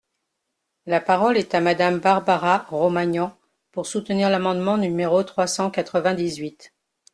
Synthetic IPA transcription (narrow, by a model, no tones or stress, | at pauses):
lapaʁɔlɛt̪amad̪ambaʁbaʁaʁomaɲɑ̃ | puʁsut̪niʁlamɑ̃d̪mɑ̃nymeʁot̪χwasɑ̃kat̪χəvɛ̃d̪izɥit̪